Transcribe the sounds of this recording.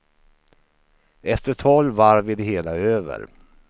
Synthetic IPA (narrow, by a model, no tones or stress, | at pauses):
ɛft̪əʈʰɔlvaɾvɪd̪əɦeːlaøːvə̰ɾ